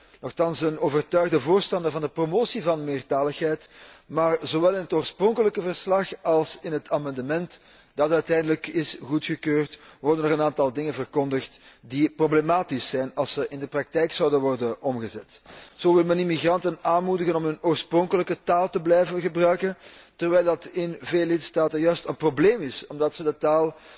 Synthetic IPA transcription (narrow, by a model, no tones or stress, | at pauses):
nɔxtɑnsənoːvərtœɥɣdəvoːrstɑndərvɑndəpromoːsivɑnmɪːrtaːləxɦɛjtmaːrzoʋɛlˠɪnətoːrsprɔŋkələkəvərslɑxɑlˠsɪnɦətʰaːmɑndəmɛnt | d̥ɑtœɥtɛjndələkɪsɣutxəkøːrtʋɔrdənəʁənaːntɑlˠdɪŋənvərkɔndəxtdiproblemaːtisːɛjnɑlˠsəʔɪndəprɑk̚tɛjksɑwdənʋɔrdənɔmɣəzɛtz̥oːʋɪlˠmɛnimiɣrɑntənaːnmudəɣənɔmɵnoːrsprɔŋkələkətaːlˠtəblɛjvənɣəbrœɥkəntərʋɛjlˠdɑtɪnveːləlɪtstaːtənjœɥstənprobleːmɪsɔmdɑtsədətaːlˠ